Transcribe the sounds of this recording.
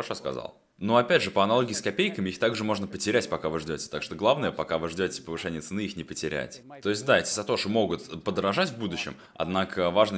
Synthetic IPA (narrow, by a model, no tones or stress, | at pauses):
ɾɐʂoskɐ̰za̰lˠ | nuɐpʲædʲʐɨpəɐnɐlˠo̞ɡʲɪːskɐpʲejkəmʲɪixt̪aɡʐɨmo̞ʐnəpətʲɪɾʲætʲpɐkavɨʐdʲotʲɪ̥t̪akʂt̪oɡlˠavnəjəpɐkavɨʐdʲo̞tʲɪ̥pəvɨʂɛnʲɪjət̪sɨnɨixnʲɪpətʲɪɾʲæ̰tʲt̪o̞ɪsʲt̚ʲd̪aetʲɪ̥zɐt̪o̞ʂɨmo̞ɡʊt̪pəd̪əɾɐʐatʲvbud̪ʊɕːɪm | ɐ̰d̪nakəvaʐnə